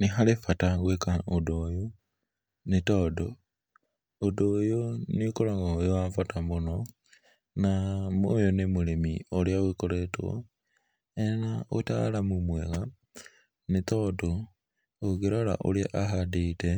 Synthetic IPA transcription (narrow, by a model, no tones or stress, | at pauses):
nixalifataɣwekaodojo | nitodo | odojonikolaɣajowafatamono | namo̰jonimulemioljaɣwikoɾetwo̰ | enaota̰lamumweɣa | nitodo | oɡiɾola̰ʔo̰ljaʔaɦadite